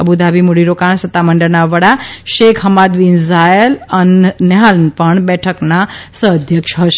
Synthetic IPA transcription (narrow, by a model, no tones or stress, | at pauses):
əbud̪ʱabimuɽiɾokaɳsət̪ːaməɳɖəɾnaʋəɽaʃekʰɦəmad̪ʋinzajələnnɛɦalnpəɳbɛʈʰəknasəəd̪ʱjəkʃɦəʃe